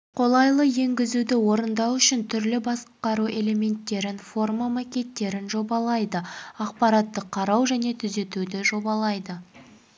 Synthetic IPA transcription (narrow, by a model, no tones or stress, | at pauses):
qʰo̞lˠɑjlˠəje̞ŋɡʲɪzud̪ɪwo̞ɾənd̪ɑwʏʃɪnt̪ʰʏɾlɪbɑsqɑɾuʔe̞le̞me̞nt̪ːe̞ɾɪnfo̞rmamakʲe̞t̪ːe̞ɾɪnʒo̞bɑlˠɑjd̪əɑq̚pɑɾɑt̪ːəqʰɑɾɑwʒæne̞t̪ʰʏze̞t̪ud̪ɪʒo̞bɑlˠɑjd̪ə